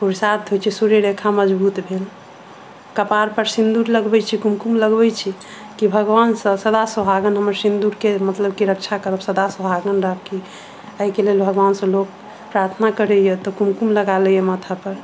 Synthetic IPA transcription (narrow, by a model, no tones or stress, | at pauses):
puɾsat̪ɦojt͡ʃʰɛsuɾeɾekʰaməd͡ʒbut̪bʱel | kəpaɾpəɾsind̪uɾləɡbɛt͡ʃʰikumkumləɡbɛt͡ʃʰi | kibʱəɡwansə̃səd̪asəbʱaɡənɦəməɾsind̪uɾkemət̪ləb̚kiɾək̚t͡ʃʰakəɾəbsəd̪asəbʱaɡənɾək̚ki | əikelelbʱəɡʋansə̃lok̚ | pɾaɾt̪ʰənakəɾɛjɛt̪ɔkumkumləɡalɛjemət̪ʰapəɾ